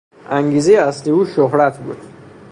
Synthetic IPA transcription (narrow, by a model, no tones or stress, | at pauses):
ʔæŋɟiːzejeæsleuːʃoɦɾæt̪ʰbuːd̪̥